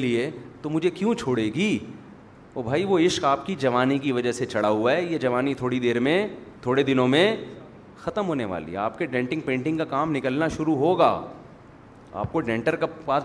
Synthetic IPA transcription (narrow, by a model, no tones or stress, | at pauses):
liet̪omʊd͡ʒʱekjũt͡ʃʰoːɽeːɡiː | ɔːbʱaːiʋoɪʃkaːp̚kid͡ʒɐʋaːnikiʋɐd͡ʒəɦset͡ʃɐɽaɦuaɦɛjed͡ʒɐʋaːnit̪ʰoːɽid̪eːɾmẽt̪ʰoːɽed̪ɪnõmẽ | xɐt̪əmɦoːneʋa̰ːlḭɦɛ̰a̰ːp̚keɖɛ̃ːɳʈɪ̃ŋɡ̚pẽːɳʈɪ̃ŋɡkakaːmnɪkəlnaʃʊɾuɦoːɡa̰ː | a̰ːp̚koɖɛ̃ːɳʈəɾkapaːs